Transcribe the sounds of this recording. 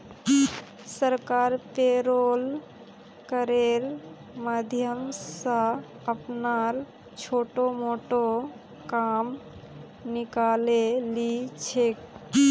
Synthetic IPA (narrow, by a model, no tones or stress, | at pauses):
səɾkaɾpeɾol | kəɾeɾ | mad̪ʱjəmssə̃ | əpnaɾ | t͡ʃʰoːʈomoʈo | kam | nikalelit͡ʃʰek